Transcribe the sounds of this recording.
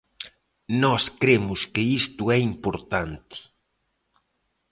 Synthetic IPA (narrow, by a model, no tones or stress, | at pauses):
nɔskɾemʊskɪist̪ʊɛimpoɾt̪ant̪ɪ̥